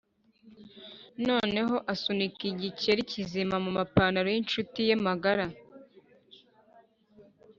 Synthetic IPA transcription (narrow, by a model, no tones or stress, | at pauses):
no̞ːne̞ɦo̞ʔasunikiɟiceɾicizimamumapaːnaɾojinʃutijemaɡaɾa